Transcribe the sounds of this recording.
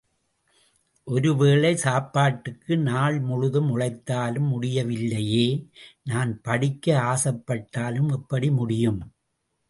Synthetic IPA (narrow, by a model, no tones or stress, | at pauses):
ʔɔɾɯʋeːɭɐɪsaːpːaːʈːɯkːɯnaːɭmʊɻʊðɯmʊɻɐɪt̪ːaːlɯmːʊɽɪjɐʋɪlːɐjeːnaːnpɐɽɪkːɐaːsɐpːɐʈːaːlɯmɛpːɐɽimʊɽɪjɯm